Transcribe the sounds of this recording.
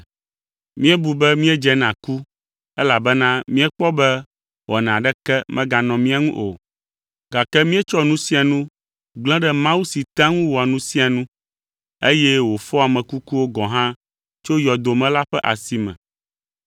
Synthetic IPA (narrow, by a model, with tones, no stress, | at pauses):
mĩ˦ɛ˦bu˨bɛ˦mĩ˦ɛ˦d͡ʒɛ˨nã˨ku˦ | ɛ˦la˨bɛ˦nã˦mĩ˦ɛ˦k͡pɔ˦bɛ˦ | wɔ˨nɛ̃˨a˨ɖɛ˦kɛ˦mɛ̃˦ɡa˨nɔ̃˨mĩ˦a˨ŋṵ̃˦ʔo̰˨ | ɡa˨kɛ˦mĩ˦ɛ˦t͡ʃɔ˦nũ˦si˦a˨nũ˦ | ɡ͡bl̃ɛ̃˦ɖɛ˦mã˦wu˦si˨t̪ã˦ŋũ˦wo˨a˨nũ˦si˦a˨nũ˦ | e˦jɛ˦wo˨fɔ˦a˨mɛ̃˨ku˦ku˦wo˦ɡɔ̃˨ɦã˦ | t͡ʃo˦jɔ˨d̪o˨mɛ̃˦la˦ɸɛ˦ʔa̰˨si˦mɛ̰̃˨